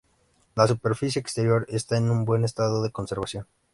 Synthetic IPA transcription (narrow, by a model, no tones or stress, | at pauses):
lasupe̞ɾfisjeːkst̪e̞ɾjo̞ɾest̪aenũmbwe̞ne̞st̪aðoðe̞ko̞nse̞ɾβasjo̞n